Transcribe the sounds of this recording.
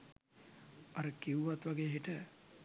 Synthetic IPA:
ɐɾəkiwuʋat̪ʋaɡeːɦiʈə

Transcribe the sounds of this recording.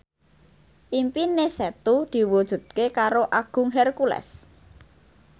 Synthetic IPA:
ʔimpinesɛt̪ud̪̥i̤wud̥ʒ̥ṳd̪̚kekaɾoʔaɡ̥ʊ̤ŋɦɛrkulɛ̰s

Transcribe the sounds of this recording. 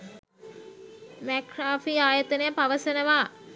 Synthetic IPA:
mækraːfiaːjət̪ənəjəpaʋəsənəʋaː

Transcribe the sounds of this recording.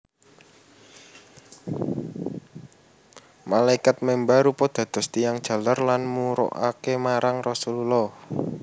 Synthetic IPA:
malaikat̪̚mɛmbaɾupɔd̪̥ä̤d̪̥ɔ̤st̪ijaŋd̥ʒ̥ä̤larlanmuɾɔ̰ʔa̰kemaɾaŋrɔsululɔh

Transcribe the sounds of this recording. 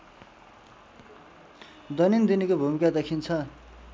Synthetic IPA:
d̪ʌnind̪inikobʱumikad̪ʌkʰint͡sʰʌ

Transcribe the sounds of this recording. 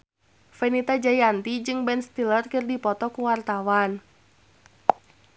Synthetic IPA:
fɛnit̪ad͡ʒajant̪id͡ʒɨŋbɛnst̪ilərkɨrdipɔt̪ɔkuwart̪awan

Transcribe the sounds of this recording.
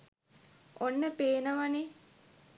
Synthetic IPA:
onːəpeːnəʋane

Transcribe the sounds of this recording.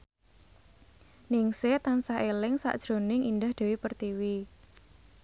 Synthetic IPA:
nɪŋset̪ansaelɪŋsa̰ʔd̥ʒ̥ɾo̤nɪŋʔind̪ahd̪̥e̤wepərt̪iwi

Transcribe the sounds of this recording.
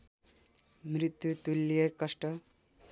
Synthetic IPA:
mrit̪jut̪ulːijekʌsʈʌ

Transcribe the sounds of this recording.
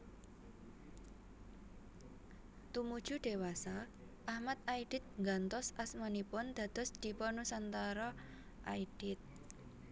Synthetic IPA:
t̪umud̥ʒ̥uɖ̪̥e̤wasa | ʔahmat̪aiɖ̥ɪ̤t̪̚ŋɡant̪ɔsasmanipʊnd̪̥ä̤d̪̥ɔ̤sd̪̥i̤pɔnusant̪aɾɔ | ʔaiɖ̥ɪt̪̚

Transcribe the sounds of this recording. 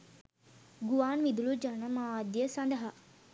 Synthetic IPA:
ɡuʋaːnʋid̪ulud͡ʒanɐmaːd̪jəsɐnd̪ɐɦa

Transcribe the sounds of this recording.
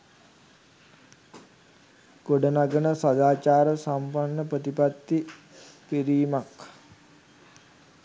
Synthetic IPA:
ɡ̥oɖənaɡənəsad̪aːt͡ʃaːɾəsampanːəprət̪ipat̪ːi | piɾiːmak

